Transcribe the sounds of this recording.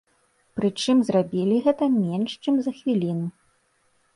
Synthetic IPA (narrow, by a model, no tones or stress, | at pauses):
pɾɨt͡ʂɨmzrabʲilʲiɣɛt̪ɐmʲɛnʂt͡ʂɨmzɐxvʲilʲinu